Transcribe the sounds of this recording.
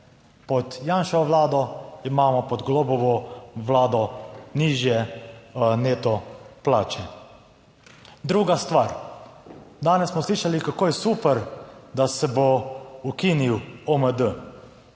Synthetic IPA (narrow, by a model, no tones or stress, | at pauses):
pɔt̪jaːnʃɔʋlaːd̪ɔimaːmɔpɔd̪ɡlɔbɔʋɔwlaːd̪ɔniʒjɛ | neːt̪ɔplaːt͡ʃɛ | d̪ɾuːɡast̪ʋaːɾ | d̪aːnɛssmɔsliːʃalikakoːjɛsuːpəɾd̪asɛboukiːniwɔməd̪ə